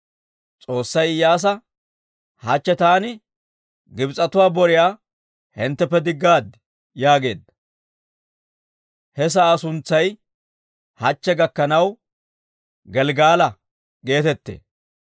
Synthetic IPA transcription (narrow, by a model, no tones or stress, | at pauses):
t͡sʼo̞ːsːɐjjaːs̬ɐ | hɐt͡ʃːɛt̪aːnɪ | ɡɪbt͡sʼɐt̪ʊwaːbɔɾɪjaː | hɪnt̪ːɛpːɛd̪ɪɡːaːd̪ | jaːɡe̞̰ːd̪ːɐ | hɛs̬ɐːsʊnt͡sːɐj | hɐt͡ʃːɛɡɐkːɐnɐw | ɡɛlɡaːlɐ | ɡe̞ːt̪ɛt̪ːḛː